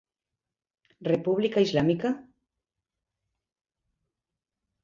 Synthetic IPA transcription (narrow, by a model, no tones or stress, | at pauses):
repuβlikaizlamika